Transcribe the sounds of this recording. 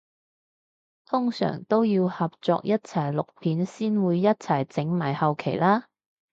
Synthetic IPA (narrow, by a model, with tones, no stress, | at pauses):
t̪ʰʊ˥ŋsœ̰ː˨˩ŋt̪o˥wjiː˧whɐ˨p̚t͡sɔ̰ː˧k̚jɐ˥t̚t͡sʰɐ˨˩jlʊ˨k̚pʰiː˨˥nsiː˥nwuː˨˧jːɐ˥t̚t͡sʰɐ˨˩jt͡sɪ˨˥ŋmaː˨˩jhɐ˨wkʰe˨˩jlaː˥